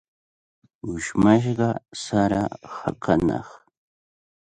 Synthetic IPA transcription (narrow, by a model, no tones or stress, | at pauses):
ʊʃmaʃ̬ɢɑsaɾaxɑqʰɑnɑ̰χ